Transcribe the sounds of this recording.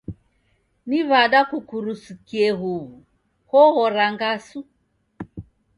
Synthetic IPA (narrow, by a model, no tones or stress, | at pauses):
niβaɗakukuɾusukiɛɦuβu | hɔhɔɾaŋɡasu